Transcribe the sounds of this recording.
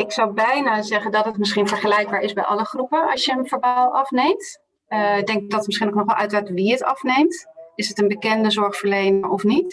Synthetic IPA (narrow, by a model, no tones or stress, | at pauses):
ɪksɑwbɛjnaːzɛχəndɑtətmɪsχinvəɹχəlɛjɡ̚baːɹɪzbɛjʔɑləχrupəɑ̰sjəənvəɹbalˠɑfnejmt | dɛŋkdɑtətmɪsχinowk̚nɔχʋɛlʔœ̰ɥtraːtʋiətɑ̰fnejmtɪsətənbəkɛndəzɔɹχfəɹlejnəɹɔfnit